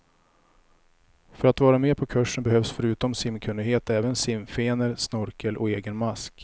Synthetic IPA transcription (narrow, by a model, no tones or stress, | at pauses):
fœɾat̪vɑːɾameːpʰɔkʰɵʂːənbɛhœvsfœɾʉ̟ːt̪ɔmsɪmːkʰɵnd̪ɪɡɦeːt̪ɛːvənsɪmfeːnəɾsnɔɾkʰəlʔɔ̰eːɡənmask